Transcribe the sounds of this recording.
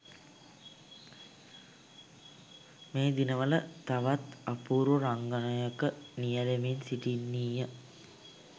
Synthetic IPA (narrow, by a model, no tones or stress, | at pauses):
meːd̪inəʋələt̪aʋat̪apuːɾuɾaŋɡənəjəkənijəlemensiʈinːiːjə